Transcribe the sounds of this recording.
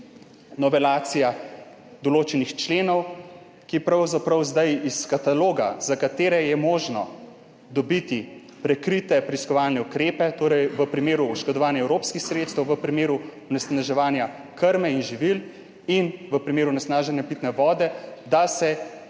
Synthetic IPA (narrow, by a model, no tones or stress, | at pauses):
nɔʋɛlaːt̪sija | d̪ɔloːt͡ʃɛnixt͡ʃleːnɔw | kipɾawzapɾawzd̪ajiskat̪aloːɡazakat̪eːɾɛjɛmoːʒnɔ | d̪ɔbit̪i | pɾɛkɾit̪ɛpɾɛiskɔʋaːlnɛukɾeːpɛt̪oːɾɛjʋəpɾimeːɾuːʃkɔd̪ɔʋaːnjɛwɾoːpskixsɾeːt̪st̪ɛwʋəpɾimeːɾuɔnɛsnaʒɛʋaːnja | kəɾmɛinʒiʋil | inʋəpɾimeːɾunɛsnaːʒɛnjapit̪nɛʋɔːd̪ɛd̪asɛ